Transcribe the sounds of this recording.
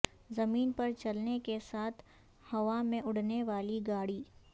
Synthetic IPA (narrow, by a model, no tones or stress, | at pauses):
zɐmiːnpɐɾt͡ʃɐlnekesaːt̪ʰ | hɐʋamẽʔʊɽ̤neʋaːliɡaːɽiː